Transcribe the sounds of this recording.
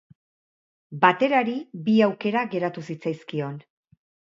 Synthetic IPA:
bat̪e̞ɾaɾibiawke̞ɾaɣe̞ɾat̪usit͡sajskio̞n

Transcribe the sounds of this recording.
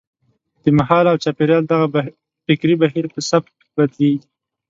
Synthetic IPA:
d̪̥əmaɦɑlawt͡ʃɑpeɾjɑld̪aɣa | fɪkɾibaɦiɾpəsap̚t̪̚ | bad̪leɡi

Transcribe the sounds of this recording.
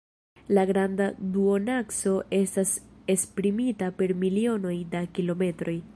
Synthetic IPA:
laɡɾandaduo̞nakso̞ʔe̞stase̞spɾimitape̞ɾmilio̞no̞jdakilo̞me̞tɾo̞j

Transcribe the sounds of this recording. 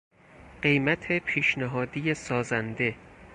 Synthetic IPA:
ɢe̞jmæt̪ʰe̞pʰiːʃnæɦɒːd̪ijesɒːzænd̪e̞

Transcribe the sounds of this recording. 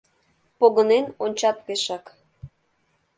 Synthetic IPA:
poɣənenonʲt͡ɕɑt̪̚peʃɑk

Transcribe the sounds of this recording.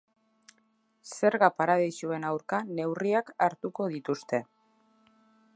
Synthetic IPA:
se̞ɾɣapaɾaðajsue̞nawɾkane̞wriakaɾt̪uko̞ð̞it̪ust̪e̞

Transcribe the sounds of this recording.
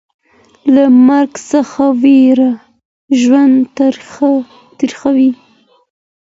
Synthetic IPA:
lamaɾɡsəxaweɾa | ʒwand̪t̪ɾ | t̪əɾxawi

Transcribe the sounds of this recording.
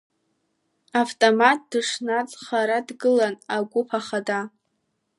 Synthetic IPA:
aftʼomat̚ʰd̥ɨʂnat͡sʼχaɾadɡɨlanaɡʷʊpʰaχada

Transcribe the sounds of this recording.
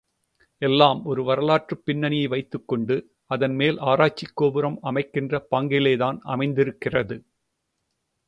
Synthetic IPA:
ɛlːaːmɔɾɯʋɐɾɐlaːʈrɯpːɪnːɐnɪjɐɪʋɐɪt̪ːɯkːɔɳɖɯ | ɐðɐnmeːlʔaːɾaːt͡ʃːɪkːoːbɯɾɐmɐmɐɪkːɪndrɐpaːŋɡɪleːðaːnɐ̰mɐɪnd̪ɪɾɯkːɪrɐðɯ

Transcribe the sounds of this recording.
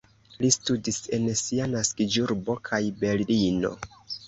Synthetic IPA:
listudise̞nsianaskid͡ʒuɾbo̞kʰajbe̞llino̞̰

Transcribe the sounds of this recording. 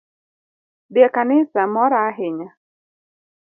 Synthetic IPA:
djakanɪsamɔɾaɦɪɲa

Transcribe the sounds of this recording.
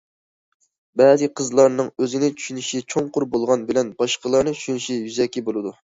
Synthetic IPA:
bɛzɨqʰəzlˠɑɾnɨŋøzɪnɪt͡ʃʰy̥ʃynyʃit͡ʃʰoŋqʊɾbolˠʁɑnbɪlɛnbɑʃqəlˠɑɾnɨt͡ʃʰy̥ʃynyʃijyzɛkʲːibolˠɨd̪u

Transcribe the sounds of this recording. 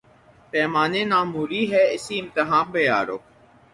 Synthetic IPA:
pɛːmaːneːnaːmuːɾiːɦɛːɪsiɪmt̪əɦãːmbeja̰ːɾo̰ː

